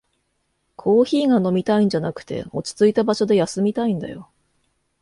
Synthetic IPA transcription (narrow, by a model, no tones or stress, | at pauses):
kʰo̞ːçiːɡano̞mʲit̪aĩɲ̟d͡ʑanakɯ̟̥t̪e̞̰o̞t͡ɕi̥t͡sɨit̪abaɕo̞d̪e̞jasɨmʲit̪aĩnd̪a̰jo̞̰